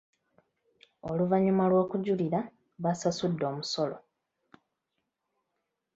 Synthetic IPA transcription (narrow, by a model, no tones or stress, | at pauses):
oluvaɲumalwo̞ːkuɟuliɾa | βasasudːo̞ːmuso̞lo